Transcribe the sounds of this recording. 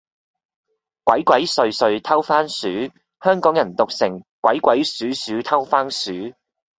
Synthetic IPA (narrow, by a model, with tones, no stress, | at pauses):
kwɐ˨˥jkʷɐ˨˥jsɵ˧ɥsɵ˧ɥt̪ʰɐ˥wfaː˥nsyː˨˥ | hœː˥ŋkɔː˨˥ŋjɐ˨˩nt̪ʊ˨k̚sɪ˨˩ŋkwɐ˨˥jkʷwɐ˨˥jsyː˨˥syː˨˥t̪ʰɐ˥wfaː˥nsyː˨˥